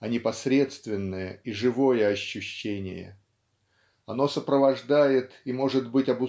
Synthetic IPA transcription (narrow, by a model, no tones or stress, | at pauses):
ɐnʲɪpɐsɾʲe̞t̪st̪vʲɪnːəjəiʐɨvo̞jəɐɕːʉɕːenʲɪ̰jə̰ | ɐno̞səpɾəvɐʐd̪ajɪt̪imo̞ʐɨd̪bɨtʲɐbʊ